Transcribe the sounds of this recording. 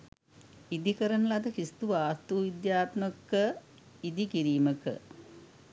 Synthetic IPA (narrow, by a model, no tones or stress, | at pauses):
id̪ikəɾənəlad̪əkist̪uʋaːst̪uːʋid̪jaːt̪məkːə | id̪ikiɾiːməkə̰